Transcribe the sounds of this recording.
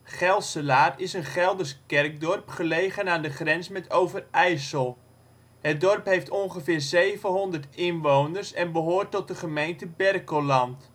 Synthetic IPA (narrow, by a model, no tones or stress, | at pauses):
χɛlˠsəlaːrɪsənχɛlˠdəskɛrk̚dɔrpχəlejχənaːndəχrɛnsmɛtʰowvərɛjsəlˠ | hət̚dɔrpɦejftɔnχəvɪːrzejvəɦɔndərtɪnʋownərsɛnbəɦʊːrtːɔt̚dəχəmejntəbɛrkolɑnt